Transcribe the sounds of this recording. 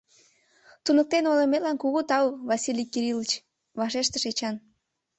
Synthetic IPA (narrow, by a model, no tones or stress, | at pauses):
t̪unək̚t̪enolemet̪lɑnkuɣut̪ɑwβɑsʲilʲijkiɾilət͡ɕ | βɑʃeʃt̪əʃet͡ɕɑn